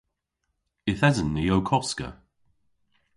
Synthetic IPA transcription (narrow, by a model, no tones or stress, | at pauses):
ɪθɛzənːɪjowkʰɔskə̰